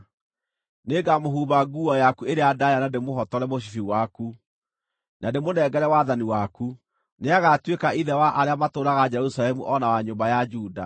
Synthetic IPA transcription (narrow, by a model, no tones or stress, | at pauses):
neːɡamoɦuβaɡuɔjakueɾeadajanademoɦɔtɔɾɛmoɕ̬i̥fiwaku | nademonɛɡɛɾɛwaðaniwaku | neaɣatwekaʔiðɛwaʔaɾeamatoːɾaɣad͡ʒɛɾusalɛmuʔɔnawaɲombajad͡ʒuːda̰